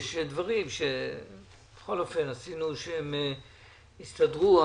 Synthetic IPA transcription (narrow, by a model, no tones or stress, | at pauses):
ʃed̪vaʁimʃe | b̥eχolofenasinuʃehem | ist̪adʁua